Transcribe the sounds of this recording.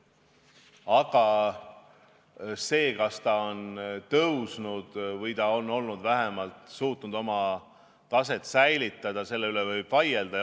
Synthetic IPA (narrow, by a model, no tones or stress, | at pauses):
ɑɡ̥ɑ | se̞ːkɑst̪ɑo̞nt̪ɤwsnud̪̥vɤjt̪ɑo̞nːo̞lnud̪̥væɦemɑlt̪ˑsuːt̪ˑnud̪o̞mɑ | t̪ɑse̞t̪ˑsæjlit̪ːˑɑd̪̥ɑse̞lːe̞ylevɤjb̥vɑjeld̪̥ɑ